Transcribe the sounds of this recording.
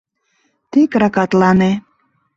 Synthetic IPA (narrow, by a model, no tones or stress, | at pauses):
t̪ekɾɑkɑt̪lɑne